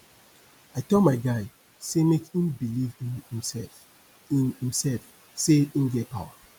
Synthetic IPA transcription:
aɪtɔmaɪɡaɪ | semekĩnbilivĩnhĩmsɛlf | inhĩmsɛlf | seĩnɡɛpʰa̰wa

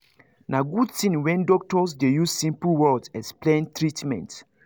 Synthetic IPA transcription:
naɡudtĩnwɛ̃ndɔk̚tɔsdejuzsĩmpl̩wɔdɛsplɛ̃ntɹitmɛ̰̃nt

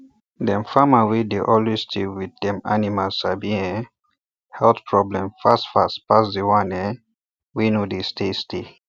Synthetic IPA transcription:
dɛ̃mfamawedeʔɔlwezstʰewiddɛ̃ma̰nimalsabiɛ̃ | hɛltpʰɹɔblɛ̃mfastfastpasdewãnɛ | winodestestʰe

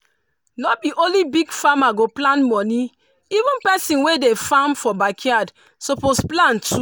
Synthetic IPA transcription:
nɔbiʔõlibiɡfamaɡoplãnmɔnĩ | ivũnpɛsĩnwedefãmfɔbakʰiad | soposplãntʰu

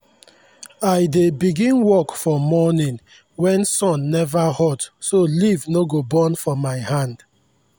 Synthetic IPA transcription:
aɪdebiɡĩnwɔkfɔmɔnĩn | wɛ̃nsɔ̃nːɛvahɔtsolivnoɡobɔ̃nfɔmaɪhãnd

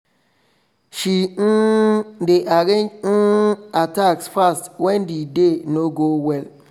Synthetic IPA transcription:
ʃideʔaɾẽnd͡ʒ̩ataksfastwɛ̃ndidenoɡowɛl

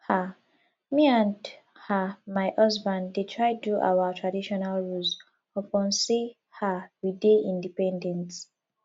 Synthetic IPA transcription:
ha | miãnd | hamaɪʔʌzbãnddetʰɹaɪduʔa̰watʰɹadiʃɔnalɹulz | ɔpɔ̃nsi | hawideĩndipɛ̃ndɛ̃nt

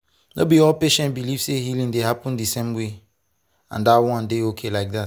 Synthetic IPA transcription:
nobiɔlpeʃɛ̃nt̚biliv̥sehilĩndehapɔ̃ndisɛ̃mwe | ã̰ndawɔ̃ndeokʰelaɪk̚ðat

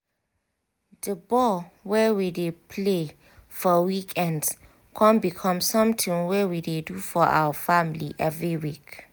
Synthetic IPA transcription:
dəbɔlwɛwidepʰle | fɔwikʰɛ̃nd | kʰɔ̃nbikʰɔ̃msɔ̃mtʰĩŋwɛwidedufɔʔa̰wəfamiliʔɛvɹiwik

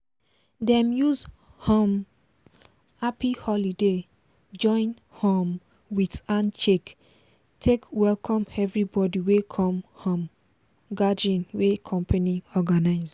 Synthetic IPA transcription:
dɛ̃mjuz | hɔ̃m | apihɔlide | d͡ʒɔ̃ɪ̃n | hɔ̃m | witãnt͡ʃek | tʰekwɛlkʰɔ̃mɛvɹibɔdiwekʰɔ̃mfɔ̃m | ɡadiɔ̃nwekʰɔ̃mpʰaniɔɡanaɪz

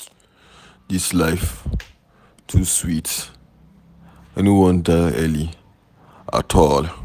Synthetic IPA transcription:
d̪islaɪf | tʰuswit | ɛniwɔ̃ndanɛli | ʔa̰tʰɔl

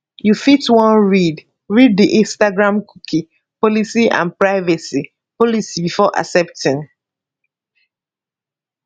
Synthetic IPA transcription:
jufitwʌ̃nɹid | ɹid̚diʔĩnstaɡɹãmkʰukʰi | pɔlisiʔã̰npɹaɪvasi | pɔlisibifɔʔa̰sɛp̚tĩn

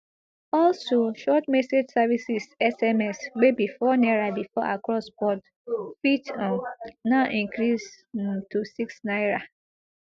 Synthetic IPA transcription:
ɔlsoʃɔtmɛsed͡ʒsavisisɛsɛmɛswebifɔnɛɹabifɔʔa̰kɹɔsbɔd | fitɔ̃nnaʔĩŋkɹis | tʰusiksnaɪɹa

